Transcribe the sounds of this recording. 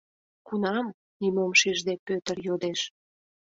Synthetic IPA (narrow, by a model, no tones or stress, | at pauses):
kunɑm | nimomʃiʒd̪epøt̪ərjod̪eʃ